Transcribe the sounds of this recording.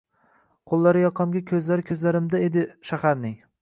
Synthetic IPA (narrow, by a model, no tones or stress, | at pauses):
qʰolˠːaɾɪjɒqʰɑmɡʲakʲʰɵzlaɾɪkʲʰɵzlaɾɪmd̪aed̪ɪʃahaɾnɪŋ